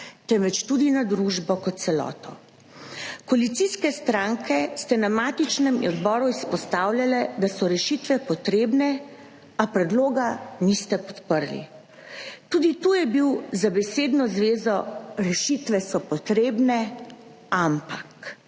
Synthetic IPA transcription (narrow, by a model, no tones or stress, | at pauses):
t̪ɛmʋɛt͡ʃt̪ud̪inad̪ɾuʒbɔkɔt̪̚sɛlɔ̰ːt̪ɔ | kɔalit̪siskɛst̪ɾaŋkɛst̪ɛnamaːt̪it͡ʃnɛmḭɔd̪bɔːɾuispɔst̪awljalɛd̪asɔɾɛʃit̪ʋɛpɔt̪ɾeːbnɛ | apɾɛd̪loːɡanist̪ɛpɔt̪pəɾlḭ | t̪uːd̪it̪ujɛbiwzabɛseːd̪nɔzʋeːzɔɾɛʃit̪ʋɛsɔpɔt̪ɾeːbnɛ | ampak